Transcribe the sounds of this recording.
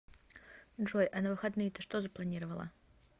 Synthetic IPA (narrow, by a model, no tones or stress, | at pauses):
ʐojʔɐnɐvɨxɐd̪nɨjt̪əʂt̪ozɐplˠɐnʲiɾəvəlˠə̰